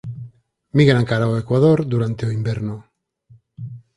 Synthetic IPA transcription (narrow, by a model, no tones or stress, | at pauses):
miɣɾaŋkaɾaoekwaðoɾd̪uɾant̪eoimbeɾno